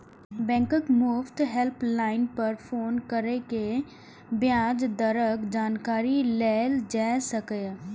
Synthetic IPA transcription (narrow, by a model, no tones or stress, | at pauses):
bɛ̃ːŋkəkmʊft̪ɦɛlplaːɪnpɐɾfʰoːnkəɾeke | bjaːd͡ʒd̪əɾəkd͡ʒaːnkaːɾilɛːld͡ʒɛːsəkə